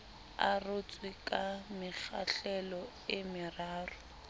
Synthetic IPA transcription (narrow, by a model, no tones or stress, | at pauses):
a̰rʊt͡sʼwikʼamɪk͡xaɬɛlɔ | ɪmɪraːrʊ